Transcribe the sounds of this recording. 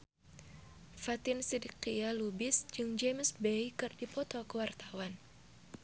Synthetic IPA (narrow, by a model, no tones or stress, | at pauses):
fat̪ɪnsidikialubɪsd͡ʒɨŋd͡ʒemsbejkɨrdipɔt̪ɔkəwart̪awan